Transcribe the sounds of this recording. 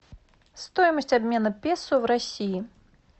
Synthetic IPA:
st̪ɔjmɐsʲt͡sʲabʲmʲɛnɐpʲɛsuwɾasʲiji

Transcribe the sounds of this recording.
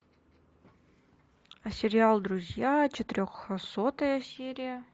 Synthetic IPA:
ɐsʲɪɾʲɪalˠd̪ɾʊzʲjat͡ɕɪt̪ɪɾʲoxəsot̪əjəsʲeɾʲɪjə

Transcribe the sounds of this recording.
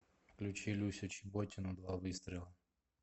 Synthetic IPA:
klʲut͡ʃilʲusʲɔt͡ʃibɔtʲɪnʊd̪ʋaʋɪst̪ɾʲɪlˠɐ

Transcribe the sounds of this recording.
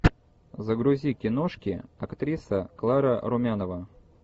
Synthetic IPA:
zəɡɾʊzʲikʲɪnoʂkʲɪɐkt̪ɾʲisəklˠaɾəɾʊmʲanəvə

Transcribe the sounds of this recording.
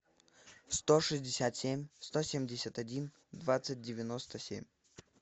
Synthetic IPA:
st̪oʂɨzʲdʲɪsʲat̪sʲemʲst̪osʲemʲdʲɪsʲət̪ɐdʲin | d̪vat̪sɨt̚ʲdʲɪvʲɪnost̪əsʲḛmʲ

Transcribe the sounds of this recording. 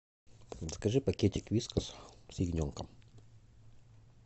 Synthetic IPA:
əskɐʐɨpɐkʲetʲɪkvʲiskəssɪɡnʲoŋkəm

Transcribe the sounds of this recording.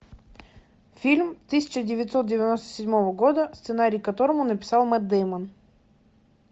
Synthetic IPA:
fʲilʲmt̪ɨsʲɪ̥t͡ɕɪdʲɪvʲɪt̪ʲsot̪̚dʲɪvʲɪno̞st̪ə̥sʲɪdʲmovəɡo̞d̪əst̪sɨnaɾʲijkɐt̪o̞ɾəmʊnəpʲɪ̥sɑlˠmɛt̪̚ːɛjmən

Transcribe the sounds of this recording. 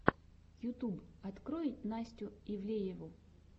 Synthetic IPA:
jʊt̪ubɐt̪kɾojɪt̚ʲnasʲtʲʊivlʲejɪvʊ

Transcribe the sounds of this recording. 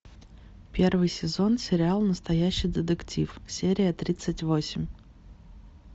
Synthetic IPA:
pʲe̞rvɨjsʲɪzo̞nsʲɪɾʲɪalˠnəst̪ɐjæɕːijd̪ʲɪt̪ɨktʲʰifsʲeɾʲɪjət̪ɾʲit̪sɨtʲvo̞sʲɪmʲ

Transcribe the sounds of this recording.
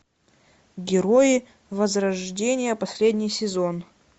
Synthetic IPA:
ɡʲɪɾojɪ | vəzɾɐʐdʲenʲɪjəpɐsʲlʲedʲnʲɪjsʲɪzon

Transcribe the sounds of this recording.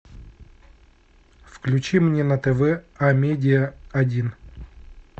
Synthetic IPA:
fklʲʉt͡ɕimnʲenɐt̪ɛvɛamʲedʲɪjəɐdʲin

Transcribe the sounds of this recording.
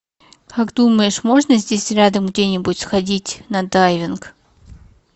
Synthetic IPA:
kaɡd̪uməjɪʂmo̞ʐnəzʲdʲesʲɾʲad̪əmɡdʲenʲɪbʊtʲsxɐdʲitʲnɐd̪ajvʲɪnk

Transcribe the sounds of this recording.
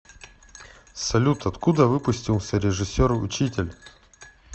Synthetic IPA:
sɐlʲut̪ɐt̪kud̪əvɨpʊsʲtʲilˠsʲəɾʲɪʐɨsʲoɾʊt͡ɕitʲɪlʲ

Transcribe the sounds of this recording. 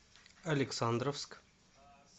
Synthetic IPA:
ɐleksãːnd̪ɾofsk

